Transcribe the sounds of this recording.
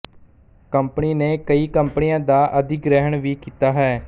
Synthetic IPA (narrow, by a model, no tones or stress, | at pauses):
kəmpniːneːkəiːkəmpənijãːd̪aːʔəd̪ɪkɾɛːɦəɳʋiːkiːt̪aːɦɛː